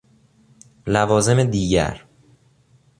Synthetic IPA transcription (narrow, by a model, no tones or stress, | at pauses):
lævɒːze̞med̪iːɟæ̰ɾ